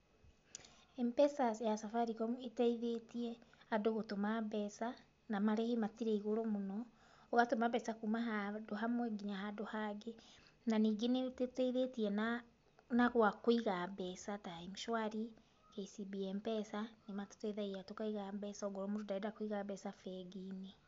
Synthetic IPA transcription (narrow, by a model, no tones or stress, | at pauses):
ɛmpɛsajasafaɾikɔetaiðetiɛadoɣotomabɛsa | namaɾehematiɾeiɣoɾɔmonɔ | oβatomaβɛsakumaɦadoɦamwɛɡiɲahadohaɡe | naniɡinettaiðetiɛna | naɣwakoiɣabɛsataemuʃwaɾi | keisibiɛmpɛsanemato̥tɛðaiatokaiɣabɛsaɔɡoɾɔmoɾodaedakoiɣabɛsafɛɡine